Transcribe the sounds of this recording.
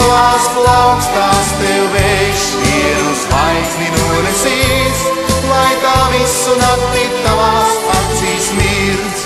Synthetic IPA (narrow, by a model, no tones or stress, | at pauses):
vaːsklˠawkst̪aːst̪ɛwvɛʃ | viɛɾusajzninuːnɛsis | lˠajt̪aːvisːunak̪liːt̪t̪ːavaːspat̪siːsmiɾs